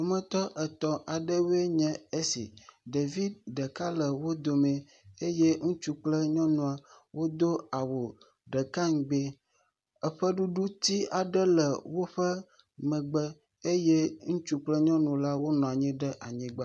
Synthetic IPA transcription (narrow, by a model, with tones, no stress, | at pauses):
wo˦mə̃˨t̪ɔ˦ʔɛ˨t̪ɔ˨ʔa˨ɖə˦we˦ɲɛ̃˨e˦sḭ˨ɖe˨vi˦d̪ɖə˨ka˦lə˨wo˦d̪o˨mɛ̃˨ | e˦je˦ŋũ˦t͡ʃu˦k͡plə˦ɲɔ̃˦nũ˨a˨ | wo˦d̪o˦a˨wo˨ | ɖə˨ka˦ŋ̩˨ɡ͡be˦ | ə˦ɸə˦ɖu˦ɖu˦t̪i˦a˨ɖə˦lə˨wo˦ɸə˦ | mɛ̃˨ɡ͡bɛ˦ | e˦je˦ŋũ˦t͡ʃu˦k͡plə˦ɲɔ̃˦nũ˨la˦wo˦nɔ̃˨a˨ɲɛ̃˦ɖə˦ʔa˨ɲĩ˨ɡ͡ba˦